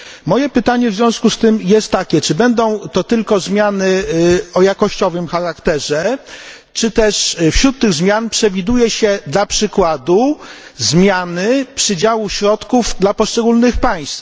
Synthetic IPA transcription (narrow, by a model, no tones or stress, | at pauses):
mɔjɛpɘt̪aɲɛvzʲjɔ̃w̃skust̪ɘmjɛst̪ːakʲɛt͡ʂɘbɛnd̪ɔ̃w̃t̪ɔt̪ɘlkɔzmʲjanɘɔjakɔɕt͡ɕɔvɘmxaɾakt̪ɛʐɛ | t͡ʂɘt̪ɛʂfɕɾut̪ːɘɣzmʲjanpʂɛvʲid̪ujɛɕɛd̪lapʂɘkwad̪uzmʲjanɘpʂɘd͡ʑawuɕɾɔt̪kuvd̪lapɔʂt͡ʂɛɡulnɘxpaj̃st̪f